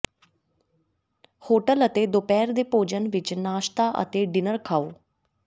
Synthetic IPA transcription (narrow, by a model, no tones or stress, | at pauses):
hoːʈələt̪ed̪opɛːɾd̪epoːd͡ʒənʋɪt͡ʃnaːʃt̪aʔə̰t̪eɖɪnəɾkʰaːoː